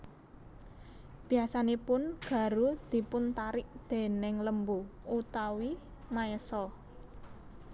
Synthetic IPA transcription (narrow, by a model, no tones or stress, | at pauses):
b̥iasanepʊnɡ̥ä̤ɾud̪̥i̤pʊnt̪aɾɪʔd̪̥e̤nɪŋləmbuut̪awi | maɛsɔ